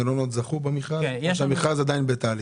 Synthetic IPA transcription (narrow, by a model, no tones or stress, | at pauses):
elonot̪zaχubamiχazʃamiχazad̪ajinbet̪ali